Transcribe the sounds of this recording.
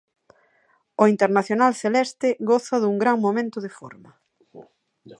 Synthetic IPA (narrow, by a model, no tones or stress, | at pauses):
oint̪eɾnaθjonalθelɛst̪ɪɣɔθɐðuŋɡɾaŋmomẽnt̪ʊðɪfɔ̰ɾmɐ